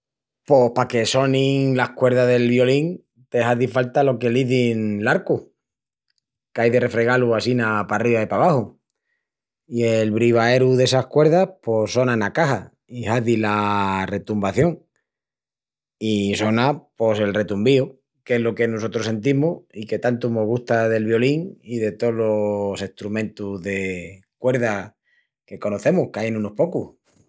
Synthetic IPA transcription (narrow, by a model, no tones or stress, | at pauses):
po̞hpake̞so̞nĩŋlahkwe̞ɾðaðe̞lβjo̞liŋ | t̪e̞haðifalt̪alo̞ke̞liðinlaɾku | kajðe̞re̞fɾeɣaluasinapariβaipaβ̞ahu | ielβɾiβ̞aeɾuðe̞sahkwe̞ɾðapo̞so̞nanakaha | ihaðilare̞t̪umbaθjo̞ŋ | iso̞napo̞se̞lre̞t̪umbio | keɦlo̞ke̞nos̬o̞t̪ɾo̞se̞nt̪̬imuike̞t̪ant̪umo̞ɣust̪aðe̞lβjo̞liŋiðe̞t̪o̞lose̞ht̪ɾumẽnt̪uðe̞ | kwe̞ɾða | ke̞ko̞no̞θe̞muhkajenũno̞hpo̞kuh